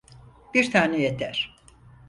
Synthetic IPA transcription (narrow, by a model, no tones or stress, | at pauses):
b̥iɾt̪ʰaːnɛjet̪ʰæɾ̥